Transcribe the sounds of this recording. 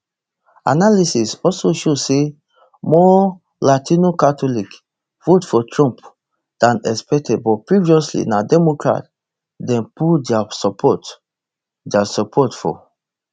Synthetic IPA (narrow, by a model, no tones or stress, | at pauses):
a̰nalisisɔsoʃose | mɔ | latʰĩnokatɔlik | futfɔtɹɔ̃mp | d̥ãnɛspɛk̚tʰɛd̚bɔpɹiviɔslḭnadɛmokɹa̰t | dɛ̃npudɛasɔpʰɔt | dasɔpʰɔtfɔ̰